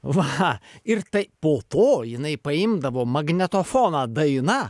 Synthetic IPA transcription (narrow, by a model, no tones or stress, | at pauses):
ʋɐɪrt̪ɐɪpoːt̪oːjɪnɐɪpɐɪmd̪ɐʋoːmɐɡnʲɛt̪oːfoːnɐd̪ɐɪnɐ